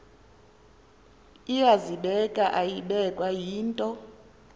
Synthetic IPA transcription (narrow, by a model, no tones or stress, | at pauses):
ijaziɓɛkʼaʔajiɓɛkʼwajiːntʼɔ